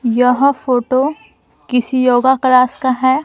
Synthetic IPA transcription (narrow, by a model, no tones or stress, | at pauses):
jəɦfoːʈo | kɪsijoːɡaklaːskaɦɛː